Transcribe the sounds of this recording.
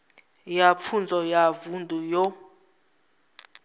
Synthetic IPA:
jap̪fʰund͡zʱɔjavundʱujɔ

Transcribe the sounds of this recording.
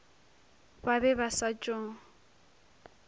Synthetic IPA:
babɛbasat͡ʃʼɔːŋ̩

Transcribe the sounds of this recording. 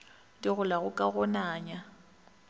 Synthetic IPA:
tʼɪɣʊlaɣʊkʼaɣɔnaːɲa

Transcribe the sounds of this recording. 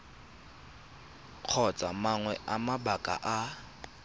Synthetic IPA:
q͡χʰɔt͡sʼamaŋwɛʔamabakʼa̰ʔa

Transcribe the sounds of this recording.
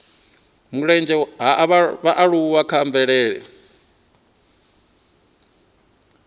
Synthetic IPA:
muɺɛnd͡ʒɛɦaβaβaʔaɺuuwakʰaɱvɛɺɛːɺɛ̰

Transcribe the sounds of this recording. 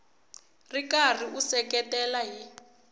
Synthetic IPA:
rikariʔusɛkɛtʼɛlaɦi

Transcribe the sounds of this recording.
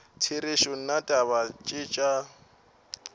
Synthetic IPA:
tʰiɾɪʃʊn̩natʼaβat͡ʃʼɪt͡ʃʼa

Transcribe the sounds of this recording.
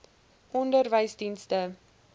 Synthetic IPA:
ʔɔndərvəjsdinstə

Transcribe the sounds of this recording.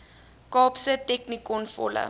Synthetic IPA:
kɑːpsətɛknikɔnfɔ̰lə̰

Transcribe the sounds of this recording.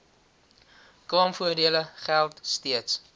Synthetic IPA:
klɑːmfuərdiələχælˠtstiəts

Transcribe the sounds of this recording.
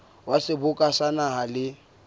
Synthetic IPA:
wasɪbʊkʼasanaɦalɪ

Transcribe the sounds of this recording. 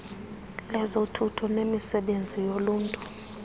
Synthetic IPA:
lɛzotʰutʰɔnemisɛɓend͡zʱijoluːntʼu

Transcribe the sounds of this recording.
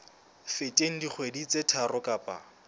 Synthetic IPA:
fetʼeŋ̩dik͡xʰwedit͡sʼetʰarʊkʼapʼa̰

